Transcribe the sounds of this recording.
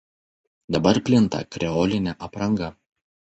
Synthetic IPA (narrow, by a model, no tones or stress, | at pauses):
d̪ɐbɐɾpʲlʲɪnt̪ɐ̰kɾʲɛɔːlʲɪnʲɛʔɐpɾɐŋɡɐ